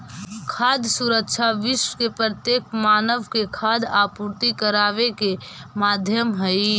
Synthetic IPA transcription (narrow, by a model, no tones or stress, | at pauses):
kʰaːd̪suɾəkʃʰaʋɪʃwəkepɾət̪jeːkmaːnəʋkekʰaːd̪aːpuːɾt̪ikəɾaːʋeke | maːd̪ʱjəmɦəi